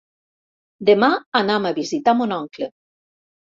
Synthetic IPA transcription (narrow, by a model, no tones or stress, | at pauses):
d̪emaanamaβizit̪amonɔŋkle